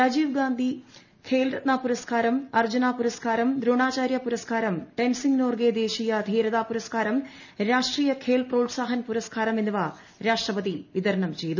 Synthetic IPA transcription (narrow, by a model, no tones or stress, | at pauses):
ɾad͡ʑiːʋɡaːnd̪ʱi | kʰeːlɾɐt̪̚naːpuɾɐskaːɾɐmɐrd͡ʑunaːpuɾɐskaːɾɐmd̪ɾoːɳaːt͡ɕaːɾjɐpuɾɐskaːɾɐmʈensiŋɡnoːrɡeːd̪eːɕijɐːd̪ʱiːɾɐðaːpuɾɐskaːɾɐm | ɾaːʂʈriːjɐkʰeːlproːɖsaːɦɐnpuɾɐskaːɾɐmenːɐʋaː | ɾaːʂʈrɐpɐðiʋid̪ɐɾɐɳɐmt͡ɕe̞jt̪u